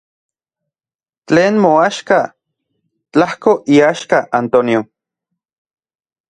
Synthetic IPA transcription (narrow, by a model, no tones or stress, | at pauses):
t͡ɬeːnmoaʃka | t͡ɬahkoʔiaʃkaʔant̪onjo